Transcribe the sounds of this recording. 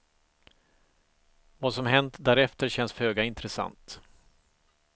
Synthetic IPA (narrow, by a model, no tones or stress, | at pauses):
vaːsɔmɦɛnt̪d̪æːɾɛft̪əɾɕɛnːshøːɡaɪnt̪ɾɛsa̰nt̪